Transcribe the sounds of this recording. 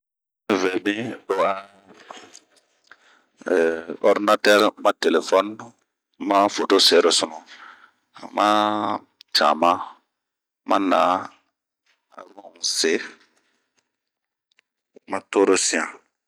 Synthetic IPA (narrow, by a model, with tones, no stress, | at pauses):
mĩ˦vɛ˨bĩ˦ɗo˨a˨ | ɔ˦di˦na˦tɛ˦ɾmã˦te˨le˨fɔ˦n | mã˦fo˨to˦se˨˦ɾo˨sʊ˨nũ˨ | ma˦ | t͡ʃa̰ː˨mã˦ | mʔa̰˦na˨˦ | a̰˨wɔ̃˦˨se˨˦ | ma˦to˦ɾo˦sĩ˨ã˨